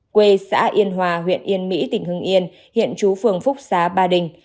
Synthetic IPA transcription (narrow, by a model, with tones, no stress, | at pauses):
kwe˧sa̰ː˧˥ʔi˧ənɦwaː˨˩ɦwḭ˧˨ənʔi˧ənmḭ˧˥t̪ï˨˩ŋ̟ɦɨ˧ŋʔi˧ən | hḭ˧˨ənt͡ɕu˨˦fɨ˨˧˩əŋfʊ˦˥k͡p̚saː˨˦ɓaː˧ɗï˨˩ŋ̟